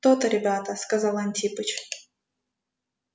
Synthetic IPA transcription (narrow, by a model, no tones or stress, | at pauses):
t̪ot̪əɾʲɪbʲat̪əskɐzɑlˠɐnʲt̪ʲipɨt͡ɕ